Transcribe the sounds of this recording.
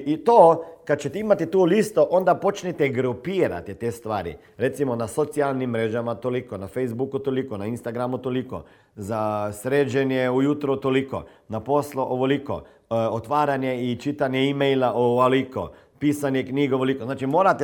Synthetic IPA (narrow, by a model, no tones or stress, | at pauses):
ʔit̪okad̪̚t͡ʃet̪ɛimat̪it̪ulist̪oʔond̪apot͡ʃnit̪ɛɡɾupiːɾa̰t̪it̪est̪ʋaːɾḭ | ɾet̪simonasot̪sialnimːɾeːʒamat̪olikonafejzbukut̪olikonainst̪aɡɾamut̪oliko̰ | zasɾeːd͡ʒenjeujut̪ɾɔt̪oliko̰ | naposloʔoʋoliko̰ | ot̪ʋaːɾanjeit͡ʃit̪anjeimejlaʔoaliko̰ | piːsanjekniːɡoʋolikoznaːt͡ʃimoːɾat̪e